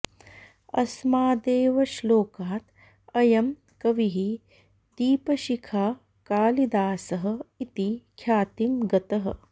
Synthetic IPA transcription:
ɐ̰smaːd̪eːʋɐʃloːkaːt̪ | ɐjɐm | kɐʋiɦi | d̪iːpɐʃikʰaː | kaːlid̪aːsɐɦɐ̆it̪ikʰjaːt̪imɡɐt̪ɐɦɐ̰̆

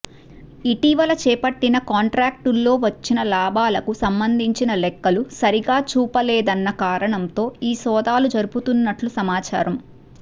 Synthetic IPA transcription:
iʈiʋɐlɐt͡ʃɛːpɐʈːinɐkaːɳʈɾaːk̚ʈulːo̞ːʋɐt͡ʃːinɐlaːbʱaːlɐkusɐmbɐnd̪ʱiɲt͡ʃinɐlɛkːɐlusɐɾiɡaːt͡ʃuːpɐlɛːd̪ɐnːɐkaːɾɐɳɐnt̪o̞ːiːsɔːd̪aːlud͡ʒɐɾuput̪unːɐʈlusɐmaːt͡ʃaːɾɐm

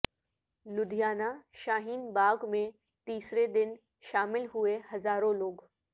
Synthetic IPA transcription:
lʊd̪ʱijaːnaʃaːɦiːnbaːɡmẽ | t̪iːsɾed̪ɪn | ʃaːmɪlɦʊehɐzaːɾõloːɡ

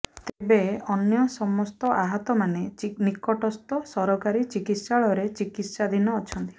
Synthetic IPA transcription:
t̪ebeɔnjɔsɔmɔst̪ɔʔaɦɔt̪ɔmanenikɔʈɔst̪ɔsɔɾɔkaɾit͡ʃikit̪saɭɔɾet͡ʃikit̪sad̪ʱinɔːt͡ʃʰɔnt̪i̥

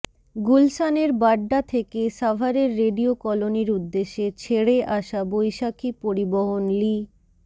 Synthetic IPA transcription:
ɡulsaneɾbaɖːat̪ʰekeʃabʱaɾeɾːeɖiokɔloniɾud̪ːeʃet͡ɕʰeɽeʔaʃabojʃakʰipoɾiboɦonli

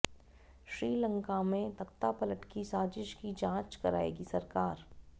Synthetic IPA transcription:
ʃɾiːlə̃ŋkamẽt̪ɐkt̪apɐləʈkisaːd͡ʒɪʃkid͡ʒãːt͡ʃkɐɾa̰ːḛːɡisɐɾkaːɾ

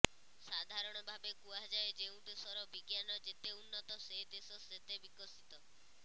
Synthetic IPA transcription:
sad̪ʱaɾɔɽ̃ɔbʱabekuaɦd͡ʒaed͡ʒeũd̪esɔɾɔbiɡjanɔd͡ʒet̪eunːɔt̪ɔseɦd̪esɔset̪ebikɔsit̪ɔ

